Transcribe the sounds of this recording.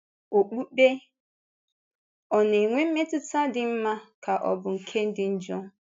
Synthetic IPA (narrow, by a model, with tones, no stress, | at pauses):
o˨k͡pu˦k͡pe˦ | ɔ˨ne˨ŋʷe˦m̩˦me˦tʊ˦ta˦dɪ˨m̩˦ma˦kʰa˨ʔɔ̰˨bʊ˨ŋ̩˨kʰe˦n̩˦dɪ˦n̩˦d͡ʒɔ˦